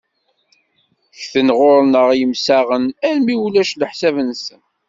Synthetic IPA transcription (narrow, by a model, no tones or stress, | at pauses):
çθənʁʊɾnəʁjəmsæʁənælmiwlæʃləħsævənsən